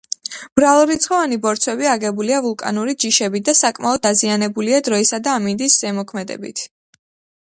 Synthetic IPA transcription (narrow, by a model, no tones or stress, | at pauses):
b̥ɾalˠuɾit̪sʰχɔvanibɔɾt̪sʰwɛbiaɡɛbuliavulˠkʼa̰nuɾid͡ʒiʃɛbid̪asakʼmaɔd̪dazianɛbuliad̪ɾɔisad̪aːmind̪isʒɛmɔkʰmɛd̪ɛ̰bḭt̪ʰ